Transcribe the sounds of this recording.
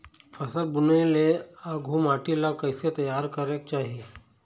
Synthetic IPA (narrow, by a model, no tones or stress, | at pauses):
fʰɐsəlbʊneleaːɡʱuːmaːʈilakɐɪset̪ɐjːaːɾkɐɾekt͡ʃaːɦieː